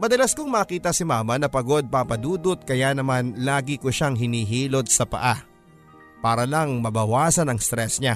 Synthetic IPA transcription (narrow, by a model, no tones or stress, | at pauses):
mɐd̪ɐlɐskoŋmɐːkiːt̪ɐsɪmaːmɐnɐpɐɡo̞d̪̚papɐd̪uːd̪ot̪̚kɐjaːnɐmanlaːɡɪkoʃaŋɦɪniːɦiːlo̞d̪̚sɐpɐ̰ʔa | paːɾɐlɐŋmɐbɐwaːsɐnɐŋst̪ɾɛsɲa